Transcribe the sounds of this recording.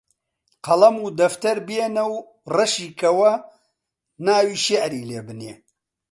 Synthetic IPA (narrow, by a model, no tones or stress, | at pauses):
qɐlɐmuːd̪ɐft̪ɐɾbjeːnɐw | rɐʃiːkʰɐwɐ | naːwiːʃeʕɾiːleːbɨnḛ